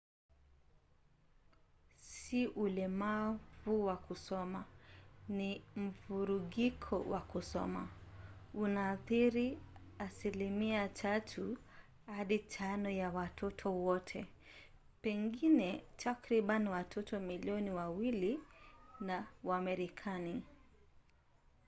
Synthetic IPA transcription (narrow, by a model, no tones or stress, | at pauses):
siʔulɛmavuwakusɔmanim̩vuɾuɠikʰɔ̰wakusɔ̰ma | unaθiɾiasilimiatʰatʰu | haɗitʰanɔjawatʰɔtʰɔwɔtʰɛ | pɛŋɡinɛtʰakɾiɓanwatʰɔtɔmiliɔniwawili | nawamɛɾikʰani